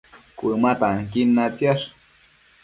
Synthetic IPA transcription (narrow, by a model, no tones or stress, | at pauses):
kʷumat̪aŋkinːat͡sjaʂ